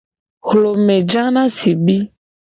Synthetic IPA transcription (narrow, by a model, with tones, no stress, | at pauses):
xlo˨mɛ̃˨d͡ʒã˦nã˦si˨bi˦